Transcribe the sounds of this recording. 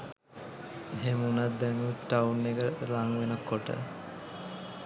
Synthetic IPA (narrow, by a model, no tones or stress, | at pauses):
eɦemunat̪̚d̪ɛŋuuʈaunːekəlaŋʋenəkːoʈə̰